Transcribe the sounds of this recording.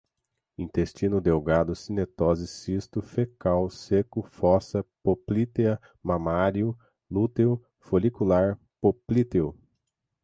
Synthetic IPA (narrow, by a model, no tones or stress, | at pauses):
ĩnt̪est͡ʃĩnʊd̪ewɡad̪ʊsinet̪ɔzɪsist̪ʊfekawsekʊfɔsɐpoplit̪eɐ | mamaɾiʊ | lut̪ewʊ | folikulaɾ | poplit̪eʊ